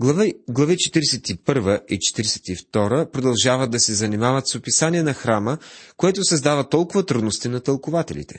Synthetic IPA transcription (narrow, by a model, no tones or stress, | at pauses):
ɡlˠɐvit͡ʃɛt̪iɾɛsɛt̪ipɤɾvəʔit͡ʃɛ̥t̪iɾɛsɛ̥t̪ift̪ɔɾəpɾod̪ɐlˠʒavəd̪ɐsɛzɐnimavət̪sopisanʲiɛnɐxɾaməkoɛt̪ʊsɐzd̪avət̪ɔlˠkʊvət̪ɾud̪nost̪inɐt̪əlˠkʊvat̪ɛ̰lḭt̪ɛ̥